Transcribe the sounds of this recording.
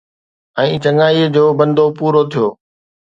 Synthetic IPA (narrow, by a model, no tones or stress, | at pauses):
ɛ̃ːt͡ɕəŋaːid͡ʑoːbə̃nd̪ʱopuːɾot̪ʰijoː